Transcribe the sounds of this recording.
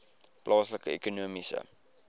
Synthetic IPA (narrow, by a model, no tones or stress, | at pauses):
plʔɑːsləkəekunuəmisə̰